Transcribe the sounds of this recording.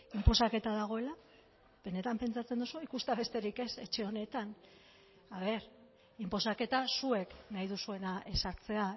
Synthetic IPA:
impo̞sake̞t̪aðaɣ̞o̞e̞la | β̥e̞ne̞t̪ampe̞nt͡sat͡send̪osuikust̪aβe̞st̪e̞ɾike̞se̞t͡ʃe̞o̞ne̞t̪an | aβ̞e̞ɾ | impo̞sake̞t̪asue̞knajðusue̞naʔe̞saɾt͡se̞a

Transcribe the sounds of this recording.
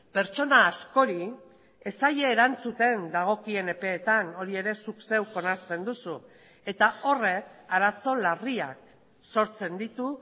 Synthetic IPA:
pe̞ɾt͡ʃo̞naːsko̞ɾi | e̞saʎe̞ːɾant͡sut̪e̞nd̪aɣ̞o̞kie̞ne̞pe̞ːt̪ano̞ɾie̞ɾe̞sukse̞wko̞naɾt͡se̞nd̪usu | e̞t̪ao̞re̞kaɾaso̞lariak̚ | so̞ɾt͡se̞nd̪it̪u

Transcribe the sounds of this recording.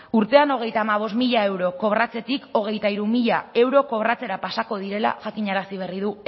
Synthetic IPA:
uɾt̪e̞ano̞ɣ̞e̞jt̪aːmaβ̞o̞smiʎae̞wɾo̞ko̞βɾrat͡se̞t̪iko̞ɣ̞e̞jt̪aiɾumiʎae̞wɾo̞ko̞βrat͡se̞ɾapasako̞ð̞iɾe̞la̰ʝakiɲaɾasiβe̞rið̞u

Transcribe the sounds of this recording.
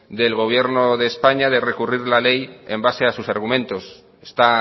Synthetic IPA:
d̪e̞lɣo̞β̞je̞ɾnoðeːspaɲaðe̞re̞kuriɾlale̞jembase̞asusaɾɣumẽ̞nt̪o̞s | e̥st̪a

